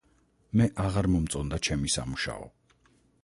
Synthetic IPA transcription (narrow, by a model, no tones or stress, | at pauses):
mɛʔaʁaɾmɔmt̪sʼɔnd̪at͡ʃʰɛmisa̰muʃa̰ɔ̰